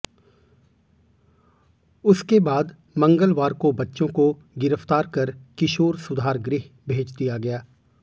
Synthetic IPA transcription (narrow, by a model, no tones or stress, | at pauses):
ʊskebaːd̪ | mɐ̃ŋɡəlʋaːɾkobɐtːʃõko | ɡɪɾəft̪aːɾkɐɾkɪʃoːɾsʊd̪ʱaːɾɡɾɪɦ | bʱeːt͡ʃd̪ijaɡɐjaː